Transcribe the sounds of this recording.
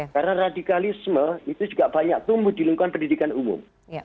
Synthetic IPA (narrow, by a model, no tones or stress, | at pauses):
kaɾnaradikalisməit̪ud͡ʒuɡaʔb̥aɲak̚t̪umbʊdiluŋkukanpəndidikanumʊ̰m